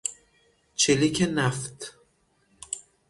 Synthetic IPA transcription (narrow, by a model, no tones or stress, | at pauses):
t͡ʃʰelicʰenæft̪